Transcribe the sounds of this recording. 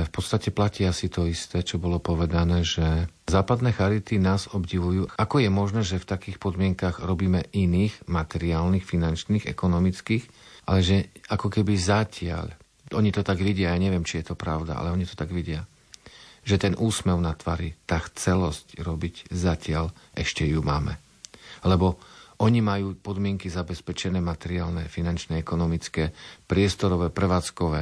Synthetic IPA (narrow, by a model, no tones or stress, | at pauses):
fpɔt̪st̪acɛplaciːasit̪ɔist̪ɛːt͡ʃɔbɔlɔpɔʋɛd̪anɛːʒɛ | zaːpad̪nɛːxaɾit̪inaːzɔbɟiʋujuːʔakɔjɛmɔʒnɛːʒɛft̪akiːxpɔd̪mɪɛŋkaɣɾɔbiːmɛʔiniːɣmat̪ɛɾiaːlnixfinant͡ʃniːɣɛ̰kɔnɔmit͡skiːx | ʔa̰lɛʒɛakɔkɛbizacɪa̰ʎ | ʔɔɲit̪ɔt̪aɡʋiɟɪajaːɲɛʋɪjɛmt͡ʃijɛt̪ɔpɾaʊd̪a̰a̰lɛɔɲit̪ɔ̥t̪aɡʋiɟɪa | ʒɛt̪ɛnʔuːsmɛʊnat̪ʋa̰ːɾit̪aːxt͡sɛlɔscɾɔbiczacɪaʎʔɛʃcɛjumaːmɛ | lɛbɔʔɔɲimajuːpɔd̪mɪɛŋkizabɛspɛt͡ʃɛnɛːmat̪ɛɾɪaːlnɛfinant͡ʃnɛɛkɔnɔmit͡skɛːpɾɪɛst̪ɔɾɔʋɛːpɾɛʋaːt͡skɔʋɛː